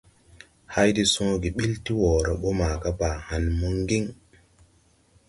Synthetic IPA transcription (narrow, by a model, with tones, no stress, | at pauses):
ha˦jdi˦sɔ̃˦ɡi˨ɓi˦lti˦wɔː˨ɾa˨ɓo˦maː˨ɡa˦ba˨ha˨nmu˦ŋɡi˦ŋ